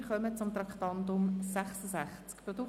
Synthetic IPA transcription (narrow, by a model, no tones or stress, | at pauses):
χœmət͡sʊmt̪ɾɑkt̪ɑnd̪ʊmsæχsəsæχt͡skpɾɔd̪u